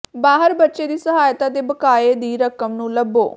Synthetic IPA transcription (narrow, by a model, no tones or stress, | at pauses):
baːɦəɾbətːʃeːd̪iːsəɦaːjt̪ãːt̪eːbəkaːeːd̪iːɾəkəmnũːləbːo̰ː